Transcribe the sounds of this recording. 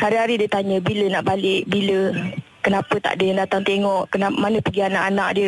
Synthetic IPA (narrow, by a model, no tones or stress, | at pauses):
haɾiɦaɾidiət̪aɲə̃bilənaʔbalɪʔbilə | kənapət̪a̰ʔdəjaŋdat̪aŋt̪eŋɔʔkənamanəpəɡianaʔanaʔdiə